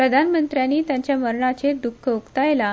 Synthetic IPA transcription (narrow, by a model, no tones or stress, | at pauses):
pɾəd̪ʱanmənt̪ɾjanːiːt̪jaɲt͡ɕjaməɾɳat͡ɕed̪ukʰːəukt̪ajla